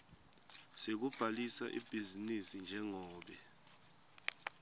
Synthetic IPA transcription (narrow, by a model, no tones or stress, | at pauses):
sek̬ub̥ʱalisa̰ʔḭb̥ʱizinisind͡ʒʱɛŋɔːɓɛ